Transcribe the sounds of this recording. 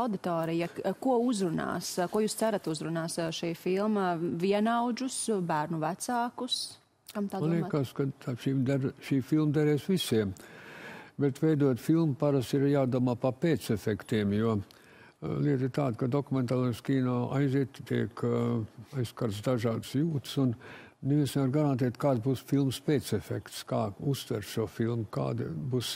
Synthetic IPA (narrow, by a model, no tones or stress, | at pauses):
awd̪it̪oːɾijakuɔuzɾuna̰ːskuɔjuːst̪sæɾɐt̪uzɾunaːsʃijfilˠmaviɛnawd͡ʒusbæːɾnuvæt̪saːkus | kkamt̪aːanikaskat̪aʃimd̪aɾʃiːfilˠmd̪aɾɛːsʋisiɛm | bɛt̪vɛjd̪uɔt̪filˠmpaɾasiɾjaːd̪uɔmaːpapeːt̪sɛfɛkt̪iɛmjuɔ | lʲˠiɛt̪it̪aːd̪kad̪okument̪aːlˠeskʲiːnaːʔa̰jziɛt̪t̪iɛk | ajsːkaɾt̪sd̪aʒɑːd̪sjuːt̪sunneʋiɛnsnevaɾɡaɾant̪̬eɛt̪kaːd̪sbuːsfilˠmspeːt̪sɛfɛkt̪skɑːust̪vɛɾt̪ʃuɔfilˠmka̰ːd̪ɪbuːs